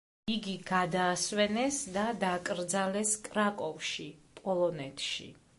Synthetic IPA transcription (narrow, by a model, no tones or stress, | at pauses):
iɡiɡad̪aːswɛnɛsd̪ad̪akʼɾd̪zalɛskʼɾakʼɔfʃipʼɔlˠɔnɛt̪ʰʃḭ